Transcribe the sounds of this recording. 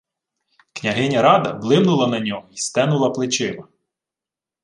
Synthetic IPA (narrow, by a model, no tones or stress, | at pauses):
knʲɐɦɪnʲɐɾɑd̪ɐ̰blˠɪmnʊlˠɐnɐnʲɔɦɔist̪ɛnʊlˠɐplˠɪt͡ʃɪmɐ